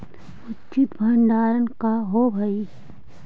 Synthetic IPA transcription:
ʊtːt͡ʃɪt̪bʱəɳɖaːɾənkaɦobʱɐi

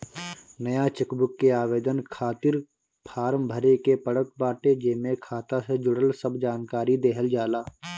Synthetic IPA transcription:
nəjat͡ʃɪkbʊkːeaːʋeːd̪ənkʰaːt̪ɪɾ | pʰaːɾəmbʱəɾekepəɽək̚baːʈed͡ʒeːmẽkʰaːt̪ased͡ʒʊɽəlsəbd͡ʒaːnkaːɾid̪eːɦəld͡ʒaːlaː

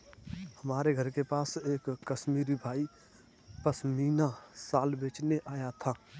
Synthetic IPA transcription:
həmaːɾeɡʱəɾkepaːseːkːəʃmiːɾibʱaːi | pəsmiːnasaːlbeːt͡ʃneʔaːjat̪ʰaː

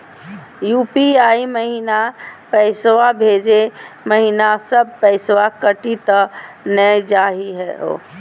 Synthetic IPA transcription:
jupiaiməɦinapəɪswabʱed͡ʒeməɦinasəb̚pəɪsʋakəʈit̪ə | nəd͡ʒaːɦiɦɛo̰ː

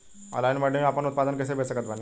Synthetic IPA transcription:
ɔ̰lajnməɖiapənut̪̚pad̪ənkəs̬ebʱesəkət̪bʱani

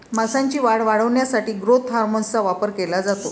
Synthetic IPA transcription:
masãɲt͡ɕiːʋaɽʋaɽəʋɳjasaʈiːɡɾot̪ɦaɾmont͡saʋapəɾkelad͡zat̪o

